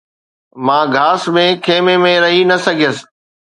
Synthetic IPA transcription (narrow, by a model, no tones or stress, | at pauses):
mãːɡʱaːsmẽkʰeːmẽmẽɾɐɦinɐsɐɡʱijəsɪ̥̆